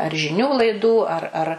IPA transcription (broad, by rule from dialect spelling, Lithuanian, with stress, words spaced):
ɐr ʒʲɪˈnʲuː lˠɐɪˈduː ɐr ɐr